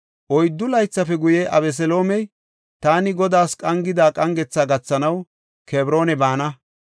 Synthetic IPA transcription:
ʔɔjd̪ːʊlɐjt͡sːɐfɛɡʊjeʔɐbɛs̬ɛlo̞ːmɛj | t̪aːnɪɡɔd̪aːskʼɐŋɡɪd̪aːkʼɐŋɡɛt͡sːaːɡɐt͡sːɐnɐw | keːbɾo̞ːnɛbaːnɐ

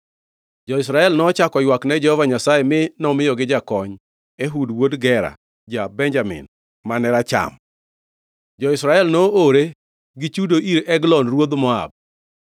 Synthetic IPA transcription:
d͡ʒɔɪs̬ɾaɛlnɔt͡ʃakɔjwaknɛd͡ʒɛhɔvaɲasajemɪnɔmɪjɔɡɪd͡ʒakɔɲ | eɦudwodɡɛɾa̰ | d͡ʒabɛɲd͡ʒamɪ̰n | manɛɾat͡ʃa̰m | d͡ʒɔɪsɾaɛlnɔoɾe | ɡit͡ʃudoʔiɾɛɡlɔnɾwod̪mɔa̰b̚

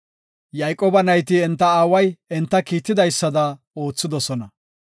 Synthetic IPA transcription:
jɐjkʼːoːbɐnɐjt̪ɪɛnt̪ːɐaːwɐjɛnt̪ːɐkiːt̪ːɪd̪ɐjsːɐd̪ɐ | o̞ːt͡sːɪd̪ɔsɔnɐ

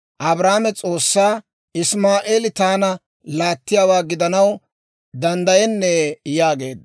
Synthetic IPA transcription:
ʔɐbɾaːmɛt͡sʼo̞ːsːaː | ɪsmaːʔeːlɪt̪aːnɐ | laːt̪ːɪjaːwaːɡɪd̪ɐnɐw | d̪ɐnd̪ɐjɛnːɛjaːɡe̞̰ːd̪

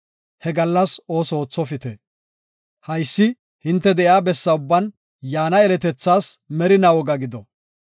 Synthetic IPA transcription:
hɛɡɐlːɐso̞ːso̞ːt͡sːɔfɪt̪ɛ | hɐjsːɪ | hɪnt̪ːɛd̪ɛʔjaːbɛsːɐʊbːɐn | jaːnɐɛlɛt̪ɛt͡sːaːsmɛɾɪnɐwɔɡɐɡɪd̪ɔ

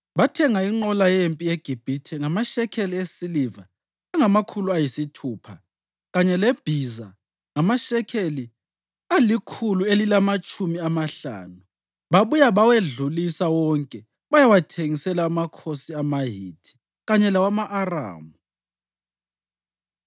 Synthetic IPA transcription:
βatʰɛŋaiŋ͡ǃɔlajempʼieɡ̥ʱib̥ʱitʰɛŋamaʃɛkʰeliesilivaː | ŋamakʰuluajisitʰuːpʰa | ɣaɲɛlɛb̥ʱiza̰ | ŋamaʃɛkʰeli | alikʰuluelilamat͡ʃʼumiamaɬa̰ːnu | βaβujaβaweɮulisawɔŋkʼɛ | βajawatʰeŋisɛlaːmakʰosiamaɦḭːtʰi̥ | ɣaɲɛlawamaʔara̰ːmu

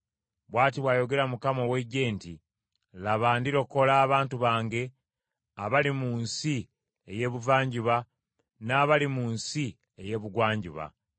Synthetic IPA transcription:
βwaːt̬iβwaːjo̞ɡe̞ɾamukamowe̞ɟe̞ːntḭ | laβaːndiɾo̞kːo̞laːβaːntuβaːŋɡe̞ | aβalimuːnsi | eje̞βuvaːɲɟiβa | naːβalimuːnsi | eje̞ːβuɡwaːɲɟḭβa̰

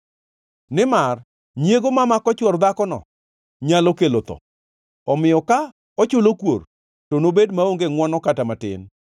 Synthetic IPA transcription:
nɪmar | njeɡomamakɔt͡ʃwɔrd̪akɔnɔ̰ | ɲalɔkelot̪ɔ̰ | ɔmɪjɔka | ɔt͡ʃʊlokwor | tonobedmaoŋɡeŋwɔnɔkatamatɪ̰n

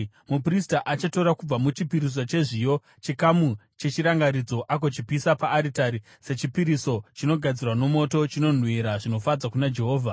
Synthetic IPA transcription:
mupristaʔat͡ʃato̞ɾakub͡vamut͡ʃipiɾis̬ot͡ʃe̞ʐijo̞ | t͡ʃikamu | t͡ʃe̞t͡ʃiɾaŋɡaɾid͡zo̞ʔak̬o̞t͡ʃipisapaːɾitaɾi | se̞t͡ʃipiɾiso̞t͡ʃino̞ɡʱad͡zirwano̞mo̞to̞t͡ʃino̞n̤wiɾaʐino̞fad͡zakunad͡ʒe̞ɦo̞ːvʱa

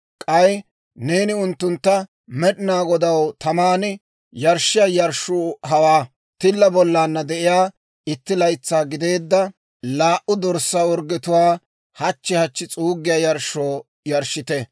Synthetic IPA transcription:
kʼɐj | neːnɪʊnt̪ːʊnt̪ːɐ | mɛɗɪnaːɡɔd̪ɐwt̪ɐmaːnɪ | jɐɾʃɪjajɐɾʃoːɦɐwaː | t̪ɪlːɐbɔlːaːnːɐd̪ɛʔɪjaː | ɪt̪ːɪlɐjt͡sːaːɡɪd̪e̞ːd̪ːɐ | laːʔʊd̪ɔɾsːawɔɾɡɛt̪ʊwaː | hɐt͡ʃːɪhɐt͡ʃːɪt͡sʼuːɡːɪjaːjɐɾʃːoː | jɐɾʃːɪt̪ɛ

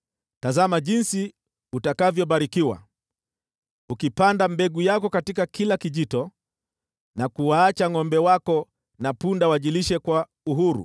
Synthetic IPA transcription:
tazamaʄinsi | utakavjɔɓaɾikiwa̰ | ukipandambɛɡujakɔkatikakilakiʄitɔ | nakuwaːt͡ʃaŋɔmbɛwakɔ | napundawaʄiliʃɛkwa | uɦuɾṵ

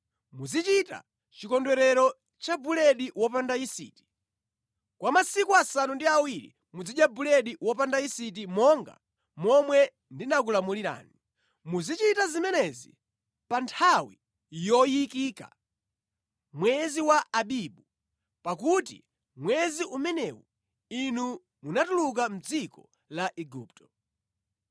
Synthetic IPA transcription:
muzit͡ʃita̰ | t͡ʃikɔndwɛɾɛɾɔ | t͡ʃabulɛɗiwɔpandaisḭːti̥ | kwamasikuasanundiawiɾḭ | mud͡ziɗjabulɛɗiwɔpandaisit̬imɔŋɡa̰ | mɔmwɛ | ndinak̬ulamuliɾa̰ːni | muzit͡ʃitazimɛnɛzi | pantʰawi | jɔjikiːka̰ | mwɛziwaːɓiɓu | pakutḭ | mwɛziʔumɛnɛwṵ | inu | munatuluk̬am̩d͡zikɔ | laʔɛɡup̚tɔ̥

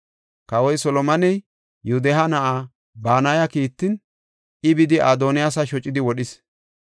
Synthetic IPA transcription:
kɐwɔjsɔlɔmɐnɛj | jud̪ɛɦɐnɐʔaː | baːnaːjɐkiːt̪ːɪn | ʔɪbɪd̪ɪaːd̪oːnɪjasɐʃɔt͡ʃʼːɪd̪ɪwɔɗɪs

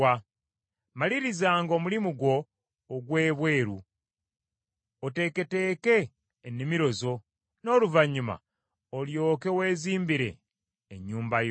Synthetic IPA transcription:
a | maliɾizaːŋɡo̞mulimuɡwo̞ː | ɡwe̞ːβwe̞ːɾu | ote̞ke̞te̞ːke̞ː | nːimiɾo̞zo̞ | no̞ːluvaɲuma̰ | oljo̞ːke̞we̞ːziːmbiɾe̞̰ː | ɲːuːmbaj

